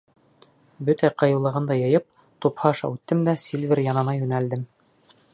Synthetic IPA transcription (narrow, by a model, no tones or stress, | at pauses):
bɵt̪æqɑ̆jɤ̆lˠɤ̆ʁɤnd̪ɑjɤ̆jɤp̚ | t̪uphɑʃɑ̰ʉt̪ːɘmd̪æsʲilʲvʲɘɾjɑnɤ̆nɑjʉnæld̪ɘm